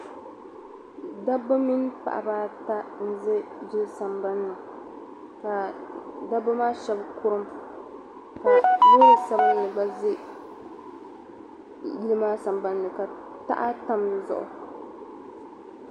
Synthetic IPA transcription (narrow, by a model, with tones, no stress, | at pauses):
da˦bɨ˦mi˦npa̰˨ʔa̰˨baː˦ta˦n̩˦zɨ˦d͡ʒɪ˦sa˨mba˦nːɨ˨ | ka˨da˦ba˦maː˦ʃɛ˦bkʊ˦ɾɨ˦m | ka˨bo˦ɾɨ˨sa˦bɨ˦nɨ˨ɡ͡ba˦zɨ˦ | ji˦lɨ˦maː˦sa˨mba˦nːɨ˨ka˨ | ta̰˦ʔa˦ta˦mdɨ˨zʊ̰˨ʔʊ̰˨